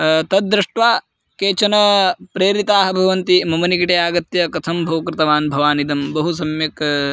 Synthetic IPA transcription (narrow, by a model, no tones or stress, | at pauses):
t̪ɐd̪ːɾɪʂʈʋaː | keːt͡ʃɐnɐpɾeːɾit̪aːɦɐ̆bʱɐʋɐnt̪imɐmɐnikiʈejaːɡɐt̪jɐkɐt̪ʰɐmbʱɐwkɾɪt̪ɐʋaːnbʱɐʋaːnid̪ɐmbɐɦusɐmjɐk